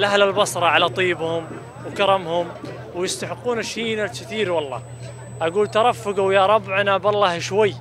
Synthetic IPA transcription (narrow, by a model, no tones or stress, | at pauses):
lʔahlalbɑsˤɾˤɑʕalat̪ˤiːbhʊm | wkɑɾˤɑmhʊm | wjɪst̪aħɪqːuːnaʃiːnalkɪθiːɾwɑlˤːɑ̰ː | ʔaɡuːlt̪ɑɾˤɑfːʊɡajɑɾˤɑbːʕanabɑlˤːɑːhʃwajː